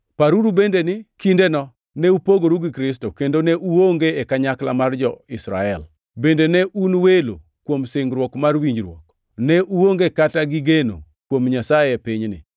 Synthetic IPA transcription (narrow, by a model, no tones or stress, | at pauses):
paɾuɾubendenɪkindenɔ | nɛupoɡoɾuɡɪkɾɪs̬tokendonɛʔuwoŋɡeːkaɲakla̰mard͡ʒɔɪsɾa̰ɛl | bendenɛʔunwelo̰ | kwomsɪŋɡɾwɔkmarwiɲd͡ʒɾwɔk | nɛʔuwoŋɡekataɡɪɡeno̰ | kwomɲasajɛpɪɲnɪ̰